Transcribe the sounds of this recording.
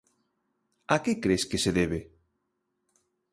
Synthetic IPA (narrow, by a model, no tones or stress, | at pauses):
akekɾeskeseðeβ̞e